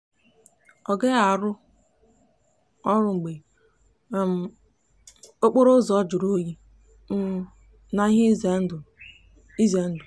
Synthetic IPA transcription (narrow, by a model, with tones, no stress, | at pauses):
ɔ˨ɡe˦a˨ɾʊ˦ | ɔ˦ɾʊ˦ŋ͡m̩˨ɡ͡be˨˦ | m˨ | o˦k͡po˦ɾo˦zɔ˦d͡ʒʊ˨ɾo˦ji˦ | m̩˦ | na˨i˦ɦe˦˨ | i˦ze˨˦n̩˦dʊ˨